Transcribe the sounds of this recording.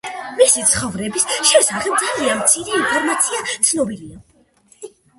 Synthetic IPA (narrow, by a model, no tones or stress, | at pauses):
misit̪sʰχɔvɾɛbisʃɛsaχɛb̚d̪zalianmt̪sʰiɾiːnpʰɔɾmat̪sʰiat̪sʰnɔbilia